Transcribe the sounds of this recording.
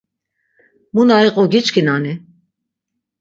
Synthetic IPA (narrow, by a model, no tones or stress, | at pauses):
munaiqʼɔɡit͡ʃkʰinani